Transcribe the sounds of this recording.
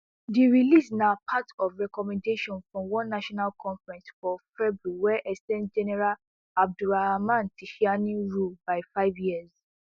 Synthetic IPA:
diɹilisnapʰatɔfɹɛkɔmɛ̃ndeʃɔ̃nfɹɔ̃mwɔ̃nːaʃɔnalkʰɔ̃nfɹɛ̃nsfɔfɛbɹwɛʔɛsɛ̃ntd͡ʒɛnɛɹal | ab̚duɹaamãntʰiʃianĩɹubaɪfaɪvjiɛz

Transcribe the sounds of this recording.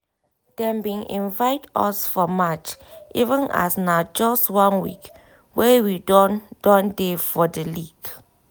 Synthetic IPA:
d̥ɛ̃mbĩnʔḭ̃nvaɪtɔ̰sfɔmat͡ʃʔivə̃na̰snad͡ʒɔstwãnwḭk | wɛwidɔnd̥ɔ̃ndefɔdəliɡ̥

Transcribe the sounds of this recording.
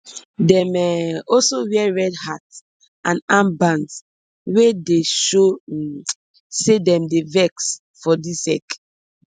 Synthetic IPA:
dɛ̃mɛɔlsowɛɹɛdhat | ãnãmbãns | wedeʃo | sedɛ̃mdevɛks | fɔdisɛ̰k

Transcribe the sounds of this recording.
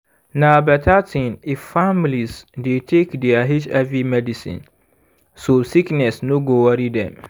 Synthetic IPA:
nãbɛtʰatʰĩniffãmilisdetʰekdɛaɦit͡ʃɛvɹimɛdisḭ̃n | sosiknɛsnõɡowaɾidɛ̰̃m

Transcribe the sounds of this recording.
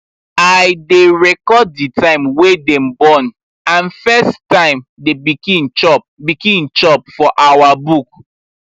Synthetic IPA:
aɪdeɹɛkɔditʰãɪ̃mwedɛ̃mbɔ̃n | ãnfɛstãɪ̃mdebikĩnt͡ʃɔp̚bikĩnt͡ʃɔp̚fɔʔawabuk̚

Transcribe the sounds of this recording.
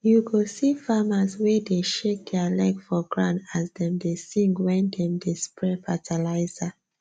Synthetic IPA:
juɡosifamazwɛdeʃek̚dɛlakfɔɡɹã̰ndasdɛ̃mdesĩŋɡwɛ̃ndɛ̃mdespʰɹɛfatʰalaɪza

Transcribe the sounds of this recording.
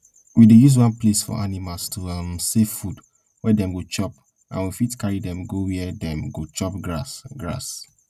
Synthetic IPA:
widejuz̬wɔ̃nplesfɔ̰ʔanimalstʰuamsefud | wɛdɛ̃mɡot͡ʃɔp̚ | ʔã̰nwifitkaɹidɛ̃mɡowiɛdɛ̃mɡot͡ʃɔpɡɹasɡɹa̰s

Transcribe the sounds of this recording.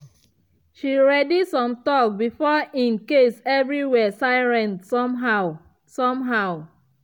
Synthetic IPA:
ʃiɹɛdisɔ̃mtɔk̚bifɔĩnkesɛvɹiwɛsaɪɹɛ̃nsɔa | sɔ̃mɦaʊ

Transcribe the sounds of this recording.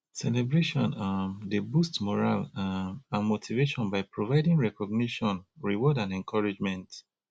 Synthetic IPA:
sɛlɛbɹeʃɔ̃nadebustmɔɹalãnmotʰiveʃɔ̃nbaɪpɹovaɪdĩŋɹɛkɔɡ̚niʃɔ̃nɹiwɔdãnɛ̃ŋkʰɔɹid͡ʒmɛ̃nt

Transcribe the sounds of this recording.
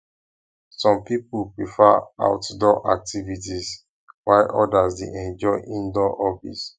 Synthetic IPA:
sɔ̃mpipulpɹifaa̰ʊtdɔʔa̰k̚tivitis | waɪʔɔdasdeʔɛ̃nd͡ʒɔɪʔĩndɔʔɔbḭs

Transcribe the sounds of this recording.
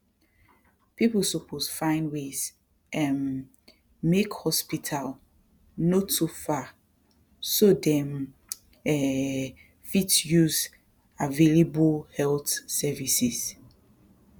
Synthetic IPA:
piplsupʰosfãɪ̃ndwez | ʔɛ̃n | mekhɔspitʰal | notʰufa | sodɛm | ɛ | fitjuz | aveleblhɛlθsɛvisis

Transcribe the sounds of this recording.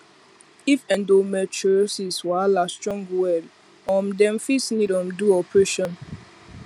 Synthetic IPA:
ifɛ̃ndomɛt͡ʃɔsiswalastɹɔ̃ŋɡwɛl | ɔ̃mdɛ̃mfisnidɔ̃mduɔpʰɹeʃɔ̃n

